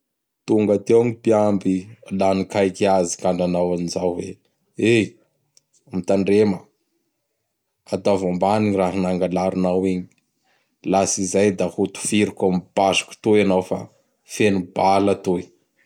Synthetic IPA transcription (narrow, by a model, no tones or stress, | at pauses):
t̪uŋɡat̪ewŋipiambilanikajkiazikaɳɖ͡ʐanawanizawvḛ | e | mit̪aɳɖ͡ʐemə | at̪avambaniɲiraɦinaŋɡalaɾunawiɲi | lasizajd̪ahut̪u̥fiɾikʲamib̥azu̥ku̥t̪ojanawfa̰ | fenubalat̪oi̥